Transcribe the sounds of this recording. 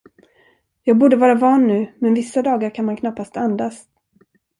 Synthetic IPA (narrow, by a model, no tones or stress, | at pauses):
jɑːɡ̚buːɖəvɑːɾavɑːnːʉ̟ːmɛnvɪsːad̪ɑːɡaɾkʰanmankʰnapːast̪and̪as